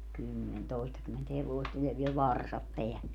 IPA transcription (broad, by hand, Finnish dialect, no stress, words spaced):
kymːen toˑistɑkymːent heʋoist ni jɑ ʋiel ʋɑrsɑp peælːe